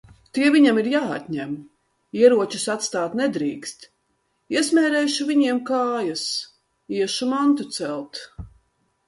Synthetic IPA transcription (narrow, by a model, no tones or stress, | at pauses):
t̪iɛvʲiɲamiɾjaːa̰t̪ʲɲɛm | iɛɾuɔt͡ʃusat̪st̪aːt̪nɛd̪ɾiːkst̪ | iɛsmʲɛːɾɛjʃuvʲiɲiɛmkaːjas | iɛʃumant̪ut̪sɛlˠt̪